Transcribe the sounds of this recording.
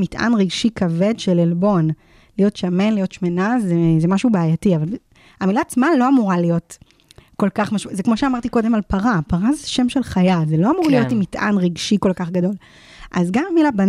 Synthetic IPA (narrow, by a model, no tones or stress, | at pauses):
mitʔa̰nʁiɡʃikave̞dʃelelbo̞n | lijo̞tʃame̞nlijo̞tʃme̞nazezemaʃubeːjatiavalb | amilaːt͡smalo̞amuʁalijo̞t | ko̞lkaχmaʃzekmo̞ʃeamaʁtiko̞de̞malpaʁapaʁazeʃe̞mʃe̞lχajalzelo̞amuʁlijo̞timitʔa̰nʁiɡʃiko̞lkaχɡado̞l | ʔazɡammilaban